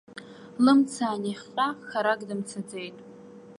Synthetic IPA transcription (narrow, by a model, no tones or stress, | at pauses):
lɨmt͡sʰaːniχʲqʼaxaɾaɡʼdɨmt͡sʰad͡ze̞jtʼ